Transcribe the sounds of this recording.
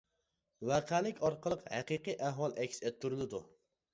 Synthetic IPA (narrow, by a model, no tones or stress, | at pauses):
wæqʰælɪkʲɑɾqəlˠəqhæqiqijʔæɦwɑlˠʔɛkʲset̪ʰːyɾɪlɪd̪u